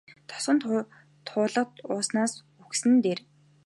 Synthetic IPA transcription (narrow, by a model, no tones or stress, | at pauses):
t̪ʰɔ̥sə̆nt̪ʰ | t̪ʰʊːɮə̆qt̪ʊːsnaːs | uxsɘ̆nt̪eːr